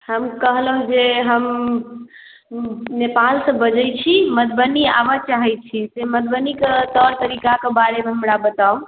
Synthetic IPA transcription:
həmkəɦləɦud͡ʒeɦəm | nepalsə̃bəd͡ʒətt͡ʃʰimət̪̚bənia̰bət͡ʃaɦɛjt̪̚t͡ʃʰisemət̪̚bəniket̪əɾt̪əɾikakebaɾemẽɦəmɾabət̪au

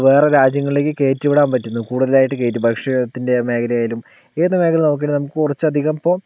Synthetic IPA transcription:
ʋe̞ːreɾaːd͡ʑjɐŋːɐɭileːk̬ːɨke̞ːtːuʋiɽaːnpɐtːunːukuːɽuðɐlaːjiʈːɨke̞ːtːɨbʱɐkʂɐt̪ːinde̞me̞ːkʰɐlɐjaːjilum | eːnːɨme̞ːkʰɐlɐnook̬ːenɐmukːɨkurɐt͡ɕːɐd̪ʱiɣɐmpːo̞ː

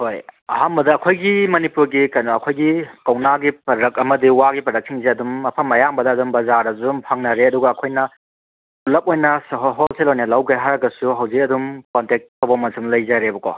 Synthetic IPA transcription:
hojɐ̰ɦambɐdɐːkʰojɡimɐnipuɾɡikajnoɐkʰojɡikɐwnaɡipɐɾɐkɐmɐdiwaɡipɐɾɐk̚siŋzeɐdumɐpʰɐmɐjambɐdɐːdumbɐzaɾdɐzumpʰaŋnɐɾeɐduɡɐːkʰojnɐ | pulɐk̚ojnɐsɐɦɦolselojnɐlɐwɡeɦaɾɐɡɐsuɦɐwzik̚ɐdumkontek̚tʰɐwbɐmɐsumlɐjzɐɾebɐkɔ̰

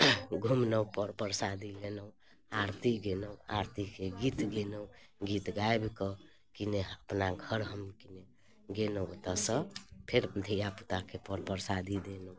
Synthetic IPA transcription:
ɡʱumnəũpəɾpəɾsad̪ʱilenəũ | aɾt̪iɡenəũa̰ɾt̪ikeɡit̪ɡenəũɡit̪ɡaebkɔ | kineəpnaɡʱəɾɦəmkine | ɡenəot̪asəpʰeɾd̪ʱəjaput̪akʰepəɾpəɾsad̪ʱid̪enəũ

